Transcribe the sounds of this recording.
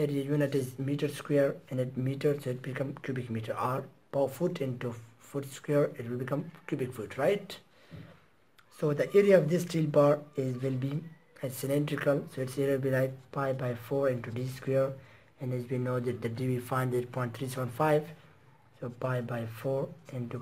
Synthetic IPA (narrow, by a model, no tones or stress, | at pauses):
ɛɾiajũnɪtɪzmitə˞skwɛɹɛ̃nɪt̚miʈə˞soɪt̚bikʌ̃mkʰjubɪkmiʈə˞apafutʰɪ̃ntufutskwɛɹɪtwɪlbikʌ̃mkjubɪkfutʰɹaɪt | sod̪əʔɛɹiaɔvd̪ɪstilbaɹɪzwɪlbi | ɛsɪlɛ̃ntɾɪkəlsoɪtsɛɾɪlbilaɪk̚paɪbaɪfɔɹɪ̃ntudiskwɛɹ | ɛ̃nɪswĩnːoːd̪ɛt̚d̪ɨdiifãɪ̃nd̪ɛt̚pʰɔ̃ɪ̃nt̪ʰɾɹisɛə̃nfaɪv | sopaɪbaɪfɔɹɪ̃ntu